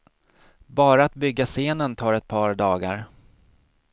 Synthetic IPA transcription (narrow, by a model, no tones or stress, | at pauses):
bɑːɾaat̪̚bʏɡːaseːnənt̪ʰɑːɾɛt̪̚pʰɑːɾɖɑːɡa̰ɾ